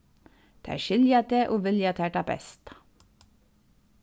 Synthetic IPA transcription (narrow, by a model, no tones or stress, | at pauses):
d̪̥æ̰ːʃɪljɑt̪eːʔoːʋɪljɑt̪ʰæːʈɑbɛ̰st̪